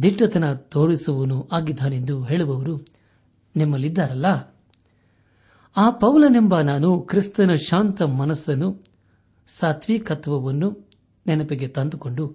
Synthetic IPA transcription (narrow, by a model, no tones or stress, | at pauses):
d̪ʱiʈːɐt̪ɐnɐt̪oːɭisɐʋɐnuʔaːɡid̪ʱaːnend̪uɦe̞ːɭuʋɐʋɐɾu | nimːɐlːid̪ːaːɾɐlːɐ | aːpɐwlɐnimbɐnaːnukɾist̪ɐnɐʃaːnt̪ɐmɐnɐsːɐnu | saːt̪ʰʋiːkɐt̪ʰʋɐʋɐnːu | nɛnɐpiɡet̪ɐnd̪uko̞ɳɖu